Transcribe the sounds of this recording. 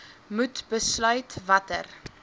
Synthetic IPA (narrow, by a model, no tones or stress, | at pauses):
mutbəslœɥtvɐtə̰r